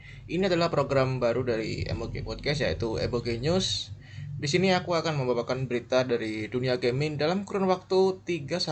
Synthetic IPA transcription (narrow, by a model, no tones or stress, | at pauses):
ʔiniadalahpɾoɡɾambaɾudaɾḭḛmoɡḛpɔd̪̚kɛsjait̪uḛmoɡeɲʊs | disiniakuakanməmbabakanbəɾit̪adaɾiduniaɡemɪndalamkuɾanwak̚t̪ut̪iɡasa